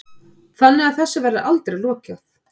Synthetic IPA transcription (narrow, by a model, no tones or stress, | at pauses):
θanːɪɣaðθɛsːavɛɾðɪʔalt̪ɾejlɔːcaθ